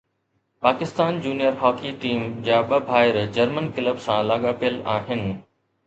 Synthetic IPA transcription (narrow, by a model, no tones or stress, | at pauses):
paːkɪst̪aːnd͡ʑuːnijəɾɦɔːkiʈiːmd͡ʑaːɓɐbʱaːɪɾd͡ʑɐɾmənkɪləbsãlaːɠaːpijəlaːɦɪnɪ̆